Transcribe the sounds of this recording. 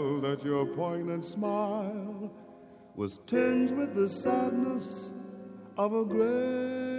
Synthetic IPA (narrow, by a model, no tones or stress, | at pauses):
ðɨt͡ʃə˞əpʰɔ̃ɪ̃nɨ̃nsmaɪɪlˠ | wʌ̰z̥tʰɛ̃nd̚wɨðɨsædⁿnəs | ʔʌvəɡɹɛ